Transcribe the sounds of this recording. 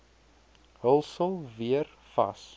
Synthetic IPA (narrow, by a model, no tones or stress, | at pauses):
ɦəlˠsəlˠviər | fɐ̰s